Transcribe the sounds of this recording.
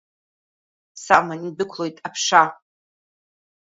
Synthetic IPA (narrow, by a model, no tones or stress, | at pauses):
samanidɨkʷʰlˠo̞jtʼapʰʂa